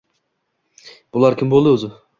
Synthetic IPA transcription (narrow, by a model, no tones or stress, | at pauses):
b̥ʊlˠaɾkʲʰɪmbolˠd̪ɪozɪ